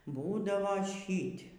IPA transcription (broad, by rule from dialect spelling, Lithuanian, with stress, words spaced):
ˈbuːdɐʋoː ˈʃʲiːtʲ